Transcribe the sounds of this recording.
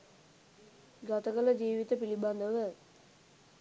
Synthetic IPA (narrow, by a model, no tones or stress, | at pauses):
ɡat̪əkələd͡ʒiːʋit̪əpiliband̪əʋə